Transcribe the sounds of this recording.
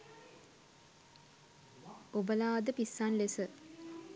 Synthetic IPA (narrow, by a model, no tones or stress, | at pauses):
obəlaːd̪əpisːanlesə